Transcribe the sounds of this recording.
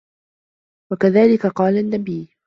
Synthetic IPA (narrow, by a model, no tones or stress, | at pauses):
wakaðaːlɪkaqɑːlanːabiː